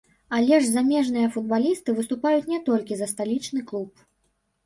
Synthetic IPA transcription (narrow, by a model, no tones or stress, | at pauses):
alʲɛʐzamʲɛʐn̪ɨjɐfud̪̚balʲist̪ɨvɨst̪upajut͡sʲnʲɛt̪ɔlʲkʲizɐst̪alʲit͡ʂnɨklˠup̚